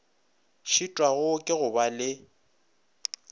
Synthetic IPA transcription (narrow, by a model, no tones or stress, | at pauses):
ʃitʼwaɣʊkʼɪɣʊbalɪ